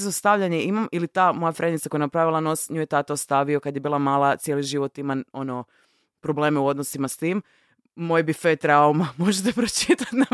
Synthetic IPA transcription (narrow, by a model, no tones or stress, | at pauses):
zast̪aʋʎaɲeimamilit̪aːmo̞jafɾenit̪sako̞janapɾaʋilˠano̞sɲujet̪at̪aost̪aʋio̞kad̪jebiːlˠamaːlˠat̪sje̞liʒiʋo̞t̪imao̞no | pɾo̞ble̞ːmeuo̞d̪nosimast̪iːm | mo̞jbifet̪ɾaumamo̞ʒet̪̬epɾot͡ʃit̪at̪na